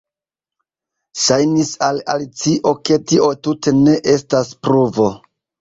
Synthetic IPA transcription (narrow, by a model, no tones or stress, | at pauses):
ʃajnisala̰lit͡siʔo̞ke̞tiʔo̞tute̞ne̞ʔe̞staspɾuvo̞